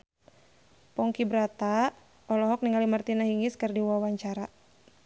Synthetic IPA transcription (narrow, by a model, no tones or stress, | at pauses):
pɔŋkibɾat̪a | ɔlɔɦɔk̚niŋalimərt̪inaɦiŋiskɨrdiwawaɲt͡ʃaɾa